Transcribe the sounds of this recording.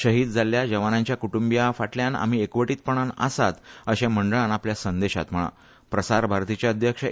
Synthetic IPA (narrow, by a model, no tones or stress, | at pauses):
ɕəɦiːd̪̚d͡zaljad͡ʑəʋanaɲt͡ɕjakuʈumbijafaʈljana̰m̤iekʋəʈiːt̪̚pəɳ̃ana̰sat̪əɕẽməɳɖəɭanapljasənd̪eɕa̰t̪m̤əɭa̰ | pɾəsaɾbʱaɾt̪it͡ɕjaəd̪ʱjəkʂə